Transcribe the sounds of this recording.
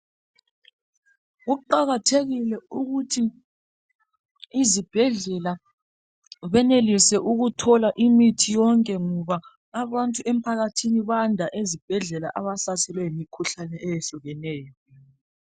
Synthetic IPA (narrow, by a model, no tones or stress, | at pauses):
ɣuǃaɣatʰeɣilɛuɣutʰi | zib̥ʱɛɮɛla | βɛnelisɛʔuɣutʰɔlaʔimitʰijɔŋkʼɛŋɔβaː | βantʼuem̩pʰaɣatʰiniβandʱaʔezib̥ʱɛɮɛla̰ʔaβasasʰɛlwɛimikʰuɬanɛʔɛjeɬuɣɛnɛːjɔ